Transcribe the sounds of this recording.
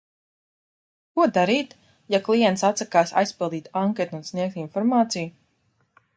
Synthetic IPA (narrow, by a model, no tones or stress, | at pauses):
kuɔd̪aɾiːt̪ | jaklˠijɛnt̪sat̪sakaːsa̰jspilˠd̪iːt̪aŋket̪unsniɛk̚t̪infɔɾmaːt̪sij